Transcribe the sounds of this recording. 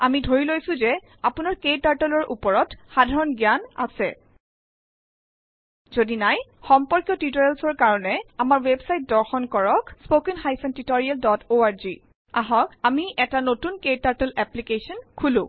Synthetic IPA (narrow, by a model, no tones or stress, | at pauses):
amidʱoɹilojsʊ̃zɛ | apʊnaɹkejtaɹtɛlɔɹʔupɔɹɔtxadʱaɹɔnɡjana̰sɛ | zodinajxɔmpɔɹkjɔtitɔɹɛlsɔɹkaɹɔnɛamaɹwebsajt̚dɔɹxɔnkɔɹɔkspokinxajsɔntitɔɹialdɔtoaɹzi | aɦɔkamiʔɛtanotunkejtaɹtɛlɛplikesɔnkʰulʊ̃